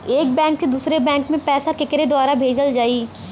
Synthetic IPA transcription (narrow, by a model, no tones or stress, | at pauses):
eːk̚bɛ̃ːŋksed̪uːsɾebɛ̃ːŋkmẽpɛːsakɪkɾed̪ʊaːɾabʱeːd͡ʒəld͡ʒaːiː